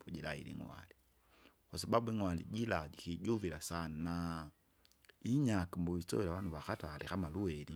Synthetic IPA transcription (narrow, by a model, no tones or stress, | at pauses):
puɟilailḭŋwa̰li | kwasababuiŋwalḭɟilaɡikiɟuvilasanna | iɲakimbɔisɔ̰ɛlawanuβaxatalikamaluɛli